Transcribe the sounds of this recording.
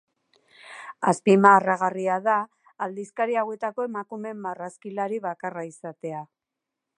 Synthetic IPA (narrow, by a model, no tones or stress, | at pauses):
aspimaːraɣariaðaː | ld̪iskaɾiawe̞t̪ako̞e̞makume̞mːaraskilaɾiβakaraisat̪e̞a